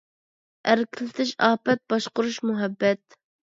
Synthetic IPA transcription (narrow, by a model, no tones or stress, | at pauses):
æɾkʲʰilɪt̪ʰɪʃɑːpɛt̪̚bɑʃqʊɾuʃmuɦɛbːɛt̪̚